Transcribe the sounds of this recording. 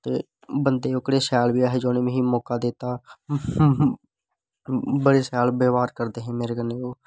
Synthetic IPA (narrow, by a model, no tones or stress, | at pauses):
t̪eː | bənd̪eːʊkɽeːsaːlʋiːaːɦeːd͡ʒoːnẽːmẽːɦiːmɔːkaːd̪et̪aː | bəɽeːsaːlbeːʋaːɾkəɾd̪eːɦɛ̃ːmeːɾeːɡəneːoː